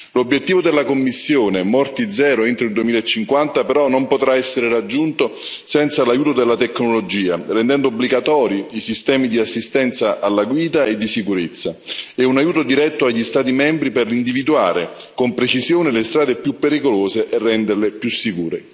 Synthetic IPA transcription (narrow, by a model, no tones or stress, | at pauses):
lobːjet̪ːiːvod̪elːakomːisːjoːnemɔrt̪id̪zɛːɾoint̪ɾoild̪uemiːlaet͡ʃːiŋkwant̪apeɾɔnːompot̪ɾaɛsːeɾerad͡ʒːunt̪o | sɛnt̪salajuːt̪od̪elːat̪ekːnolod͡ʒiːarɛnd̪ɛnd̪oobːliɡat̪ɔːɾjiisist̪ɛːmid̪iasːist̪ɛnt̪saʔalːaɡwiːd̪aed̪ːisikuɾet̪sːaɛunajuːt̪od̪iɾɛt̪ːoaʎːist̪aːt̪̬imɛmbɾiperind̪ivid̪ua̰ːɾḛ | kompɾet͡ʃizjoːnɪlest̪ɾaːd̪epjupːeɾikoloːzeʔɛrːɛnd̪erlɪpjusːikuːɾḛ